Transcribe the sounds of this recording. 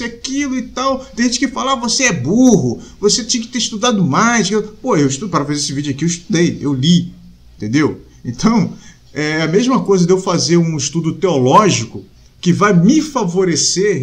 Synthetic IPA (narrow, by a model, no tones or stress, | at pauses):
eakilʊɪt̪awt̪ẽjʒẽt͡ʃɪkɪfalavoseɛbuɦʊvoset̪ẽj̃kɪ̥t̪eɾiʃt̪ud̪ad̪ʊmajsʃkfpoewiʃt̪ud̪pɾɐfazeɾesɪvid͡ʒʊakiewɪʃt̪ud̪ejewli | ẽẽt̪ẽnd̪ew | ẽt̪ɐ̃w̃ | ɛɛɐmeʒmɐkojzɐd̪ewfazeɾũiʃt̪ud̪ʊt̪eɔlɔʒikʊ | kɪvajmɪfavoɾese